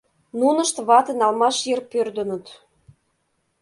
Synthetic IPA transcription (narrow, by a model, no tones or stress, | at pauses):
nunə̆ʃt̪βɑt̪ə̆nɑlmɑʃjerpørd̪ə̆nə̆t̪